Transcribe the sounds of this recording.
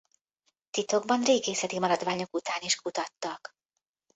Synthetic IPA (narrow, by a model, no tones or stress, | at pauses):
t̪it̪o̞ɡbɒnreːɡeːsɛt̪imɒɾɒd̪vaːɲo̞kut̪aːniʃkut̪ɒt̪ːɒk